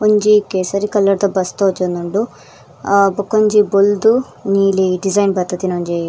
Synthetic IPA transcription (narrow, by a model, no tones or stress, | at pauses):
oɲd͡ʒikesɐɾikɐlːɐɾt̪ɐbɐst̪oːd͡ʒond̪uɳɖu | bɐkːɐɲd͡ʒibold̪u | niːliɖid͡ʒɐjnbɐt̪ːɐt̪inoɲd͡ʒi